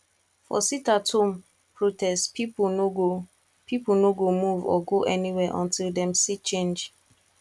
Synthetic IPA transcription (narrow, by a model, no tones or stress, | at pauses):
fɔ̰sitatʰõm | pʰɹotɛstpiponoɡo | pʰipol̩noɡomuvɔ̰ɡoʔɛniwɛʔɔ̃ntʰildɛ̃msit͡ʃẽnd͡ʒ